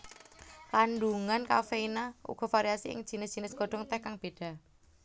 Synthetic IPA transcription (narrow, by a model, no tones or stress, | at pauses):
kanɖuŋanka̰feinaʔṵɡ̥ɔ̤faɾiasiʔɪ̰ŋd̥ʒ̥i̤nɪsd̥ʒ̥i̤nɪsɡ̥ɔ̤ɖ̥ɔ̤ŋt̪ɛhkaŋb̥eɖ̥a̤